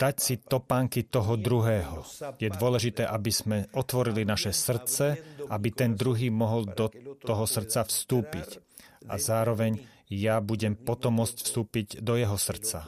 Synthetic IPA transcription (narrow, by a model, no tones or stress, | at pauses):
d̪̥acsit̪ɔpaːŋkit̪ɔɦɔd̪ɾuɦɛːɦɔjɛd̪ʊɔlɛʒit̪ɛːʔabiz̥mɛʔɔt̪ʋɔɾilinaʃɛsr̩t͡sɛabit̪ɛnd̪ɾuɦiːmɔɦɔld̪ɔt̪ɔɦɔsr̩t͡safst̪uːpḭc | ʔa̰zaːɾɔʋɛɲ | jabuɟɛmpɔt̪ɔmːɔt͡scfst̪uːpiɟd̪ɔjɛɦɔsr̩t͡sa